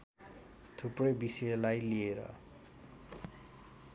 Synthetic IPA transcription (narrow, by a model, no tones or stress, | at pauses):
t̪ʰuprojbisʌlajlieɾʌ̰